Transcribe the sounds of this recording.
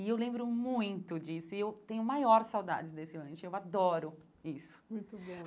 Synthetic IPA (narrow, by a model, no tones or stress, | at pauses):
ɪewlẽmbɾʊmũj̃t̪ʊd͡ʒisʊɪewt̪ẽɲʊmajɔɾsawd̪a̰d͡ʒɪzd̪esɪlɐ̃ʃʊewad̪ɔɾʊ | isʊ̥mũj̃t̪ʊbõ